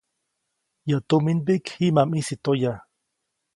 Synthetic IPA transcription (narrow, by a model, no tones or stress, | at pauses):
jat̪uminpikhimamisit̪oja